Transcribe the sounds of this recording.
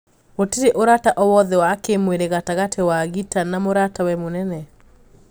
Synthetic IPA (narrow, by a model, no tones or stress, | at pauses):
oteɾeʔoɾataʔɔwɔðɛwakemweɾeɣataɣatʰewaɣitanamoɾatawɛmonɛnɛ